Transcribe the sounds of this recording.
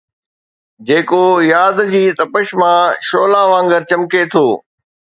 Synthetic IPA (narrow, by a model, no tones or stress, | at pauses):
d͡ʑeːkojaːd̪d͡ʑiːt̪ɐpəʃmãʃoːlaːʋãːŋɡəɾt͡ɕɐmket̪ʰoː